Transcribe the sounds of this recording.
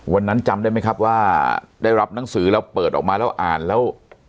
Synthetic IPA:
wa˧nːa˦˥nt͡ɕa˧mdaː˥˩jma˥jkʰa˦˥p̚waː˥˩daː˥˩jɾa˦˥p̚na˨˦ŋsɯː˩˦lɛː˦˥wpɤː˨˩t̪̚ɔː˨˩kmaː˧lɛː˦˥wʔa̰ː˨˩nlɛː˦˥w

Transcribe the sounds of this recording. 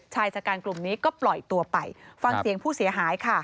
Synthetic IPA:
t͡ɕʰaː˧jt͡ɕaː˨˩kaː˧nklu˨˩mniː˦˥kɔː˥˩plɔ˨˩jt̪u˧ɐpa˧jfa˧ŋssi˨˩˦əŋpʰuː˥˩si˨˩˦ɐɦaː˩˦jkʰa˥˩

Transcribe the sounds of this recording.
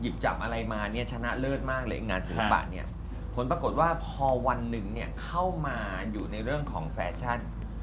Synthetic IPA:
ji˨˩p̚t͡ɕa̰˨˩pʔa˧ɾa˧jmaː˧ni˥˩ɐt͡ɕʰa˧na˦˥ʔlɤː˥˩t̪̚maː˥˩k̚lɯː˧˩ʔi˨˧ŋaː˧nsiː˨˦ba̰ː˨˩t̪̚ni˥˩ɐ | pʰo˩˦npɾa˧ko˨˩t̪̚waː˥˩pʰɔː˧wa˧nːɯ˨˩ŋni˥˩ɐkʰa˥˩wmaː˧ | juː˨˩na˧jɾɯ˥˩əŋkʰɔː˩˦ŋfɛː˧t͡ɕʰa˥˩n

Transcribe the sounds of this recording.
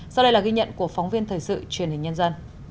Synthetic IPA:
sa˧wɗə˧jlaː˨˩ɣi˧ɲə̰˧˨nku˧˩əfaɔ˨˦wŋ͡mvi˧ənt̪ʰəː˨˩jsɨ̰˧˨t͡ɕwi˧˩ənhï˨˩ŋ̟ɲə˧nzə˧n

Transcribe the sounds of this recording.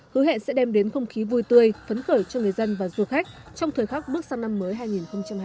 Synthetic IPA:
hɨ˨˦hḛ˧˨nsɛ̰˧˥ɗɛ˧mɗe˨˦nxə˧wŋ͡mxi˨˦vu˧jt̪ɨ˧əjfə˨˦nxəː˧˩jt͡ɕɔ˧ŋɨ˨˩əjzə˧nvaː˨˩zu˧˩əxa˦˥k̟̚t͡ɕɔ˧wŋ͡mt̪ʰəː˨˩jxa˦˥k̚ɓɨ˦˥k̚saː˧ŋna˧mːəː˨˦jɦaː˧jŋi˨˩nxə˧wŋ͡mt͡ɕa˧mhaː˧

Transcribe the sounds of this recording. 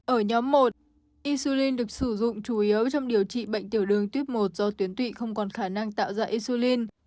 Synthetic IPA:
ʔəː˧˩ɲɔ˨˦mːo˨˩t̚ | ʔi˧su˧li˧nɗɨ˨˩ə˩k̚sɨ˧˩zʊ̰˧˨ŋ͡mt͡ɕu˧˩ʔi˨˦əwt͡ɕɔ˧wŋ͡mɗi˨˩əwt͡ɕḭ˧˨ɓə̰˧˨jŋ̟t̪i˧˩əwɗɨ˨˩əŋt̪wi˦˥əp̚mo˨˩t̚z̥ɔ˧t̪wi˨˦ənt̪ʰwḭ˧˨xə˧wŋ͡mkɔ˨˩nxaː˧˩na˧ŋt̪a̰ː˧˨wzaː˧ʔi˧su˧li˧n

